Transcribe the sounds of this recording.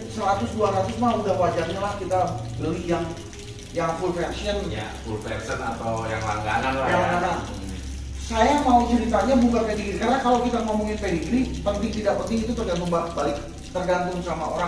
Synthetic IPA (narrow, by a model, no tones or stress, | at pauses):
səɾat̪ʊsduaɾat̪ʊsmaudahwad͡ʒarɲalahkit̪abəlijaŋ | jaŋfulfɛrsiənɲa̰fulfɛ̰rsəna̰t̪awja̰ŋla̰ŋɡa̰nanaaakadaŋ | sajamaut͡ʃəɾit̪aɲabukapediɡɾikaɾənakalawkit̪aməŋamuŋɪnpediɡɾipənt̪ɪŋt̪idaʔpənt̪ɪŋit̪ut̪ərɡant̪̬ʊŋbabalɪk̚ | t̪ərɡant̪ʊŋsamao̰ɾa